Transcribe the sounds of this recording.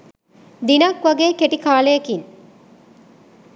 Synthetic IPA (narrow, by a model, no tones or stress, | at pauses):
d̪inakʋɐɡeːkeʈikaːlɐjɐkin